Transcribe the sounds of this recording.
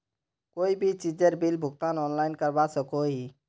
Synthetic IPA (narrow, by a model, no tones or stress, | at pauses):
koːibʱit͡ʃid͡ʒeɾbilbʱʊɡt̪anɔːnlaɪnkəɾbasəkoɦi